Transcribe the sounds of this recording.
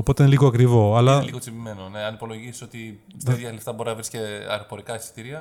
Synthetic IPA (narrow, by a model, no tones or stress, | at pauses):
opo̞t̪einliɣoɐkɾivo̞ɐlɐliɣot͡simime̞none̞ɐnipo̞lo̞ʝisi̥so̞t̪iɐðjɐleft̪ɐbo̞ɾinɐvɾisceɐ̰ɾopo̞ɾikɐessi̥t̪iɾiɐ